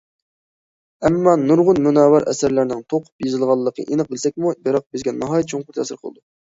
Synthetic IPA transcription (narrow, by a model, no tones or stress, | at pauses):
ɛmːɑnuɾʁʊnmunɑːwæɾʔɛ̰sæɾlæɾnɪŋt̪ʰoqʰʊ̥pjezɨlˠʁɑlˠːəqʰə̰ʔenɨq̚bɪlsɛk̚ʲmubeɾɑq̚bɪzɡʲɛnɑɦɑːjt̪̚t͡ʃʰoŋqʊɾt̪ʰæsɪɾqʰəlˠɨ̰d̪u